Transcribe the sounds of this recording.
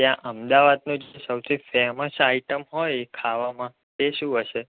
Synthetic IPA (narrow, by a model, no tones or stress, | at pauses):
jãʔəmd̪aʋad̪̚nũd͡ʒesəwt̪ʰifɛməsaiʈəmɦojkʰaʋamã | t̪eʃũɦəʃe